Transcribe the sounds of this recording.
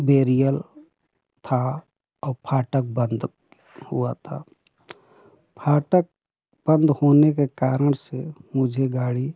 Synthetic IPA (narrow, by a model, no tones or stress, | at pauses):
beːɾijəl | t̪ʰa | ɔːɾpʰaːʈək̚bə̃nd̪ | hṵat̪ʰa̰ | pʰaːʈək̚ | b̥ə̃nd̪hoːnekekaːɾəɽ̃semʊd͡ʒʱeɡaːɽi